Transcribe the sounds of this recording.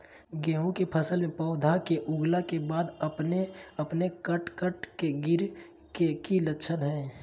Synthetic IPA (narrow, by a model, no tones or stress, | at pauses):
ɡẽːɦũkepʰəsəlmẽpɔʊd̪ʱakeʔʊɡlakebaːd̪əpneəpnekəʈkəʈkeɡɪɾ | kekilətːʃʰənɦɛ̃ː